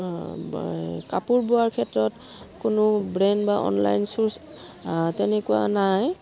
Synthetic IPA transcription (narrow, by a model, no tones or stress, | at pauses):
kapuɹboaɹkʰɛtɹɔt | kʊnʊbɹɛnbaʔɔ̰nla̰jnsuɹs | tɛnɛkuwa̰naj